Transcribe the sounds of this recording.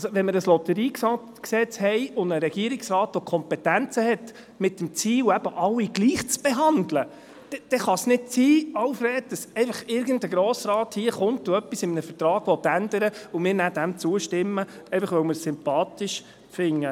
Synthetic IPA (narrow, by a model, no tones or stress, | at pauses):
ɑlsoʋɛnmɪɾəslɔtəɾiːksɑ | ksɛt͡shɛjʊndəɾɛɡ̥iəɾɪksɾɑːtʋɔkʰɔmpɛtænt͡səhɛt | mɪtːəmt͡siːwæb̥əʔɑwːiɡ̥liːχt͡sb̥eɦɑndlə | d̥ɛd̥ɛχɑsnɪt̚t͡siːɑwfrɛːt̚d̥ɑsɛɪfɑχɪɾɡəndəɡɾɔːsɾɑːthiəχʊnt̚ːʊœpːisɪmənəfəɾtrɑːɡ̥ʋɔt̪ːænd̥̪əɾəʊmɪːɾnæd̥æmt͡suəʃtɪmːə | ɛɪfɑχʋœwmɪɾsʏmpɑːtɪʃ | fɪŋːə